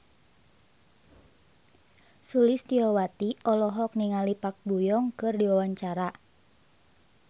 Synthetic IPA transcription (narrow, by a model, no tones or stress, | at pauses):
sulɪst̪iɔwat̪iʔɔlɔɦɔk̚niŋalipak̚bujɔŋkɨrdiwawaɲt͡ʃaɾa